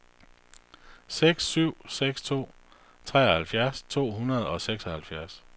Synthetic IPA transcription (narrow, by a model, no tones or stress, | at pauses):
seɡ̥syʊ̰seɡ̥st͡sʰo̝̰ː | t͡sʰʁɛ̰ːɒhælfjæɐst͡sʰo̝̰ːɦunɐð̞ˠɒ̽seɡ̥sɒhælfjæɐs